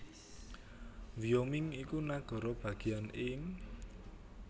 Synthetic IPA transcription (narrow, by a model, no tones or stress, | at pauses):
wiomɪŋikunaɡ̥ɔ̤ɾɔb̥ä̤ɡ̥i̤anɪŋ